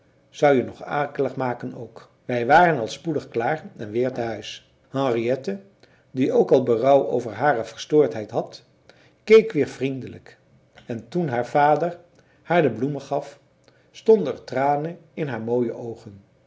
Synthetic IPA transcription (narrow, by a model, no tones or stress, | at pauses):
z̥ʌwjənɔχa̰ːkələχmaːkəno̰wk | ʋɛjʋaːrənɑlˠspudəχklaːrɛnʋɪːɹtəɦœɥs | hɑ̃ŋriɛtə | diowkɑlˠbərʌwo̰wvəɹɦaːrəvəɹstʊːɹtɦɛjtɦɑt | kejkʋɪːɹvrindələk | ɛntunɦaːɹv̥aːdəɹ | haːɹdəbluməχɑf | stɔndəɹtraːnəɪnɦaːɹmoːjə̰ʔowχən